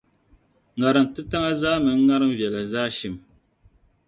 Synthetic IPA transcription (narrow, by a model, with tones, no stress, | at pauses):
ŋa˨ɾɨ˨n˨tɨ˦ta˦ŋa˦zaː˦mɨ˨ŋ˦ŋa˦ɾɨ˦m˦vjɛ˨la˨zaː˦ʃi˦˨m